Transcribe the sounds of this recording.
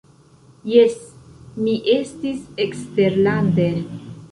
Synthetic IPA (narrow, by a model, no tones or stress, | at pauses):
jesmiʔe̞stiseksteɾlande